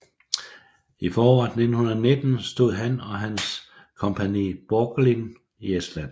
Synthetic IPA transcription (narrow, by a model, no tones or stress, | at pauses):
ifɒːɒɑ̰d̥ne̝d̥n̩hunɐɒne̝d̥n̩sd̥o̝ð̰ˠɦænɒ̽ɦæns | kʰɒ̽mpʰænḭːb̥oːɡ̥lin | iesd̥læn̰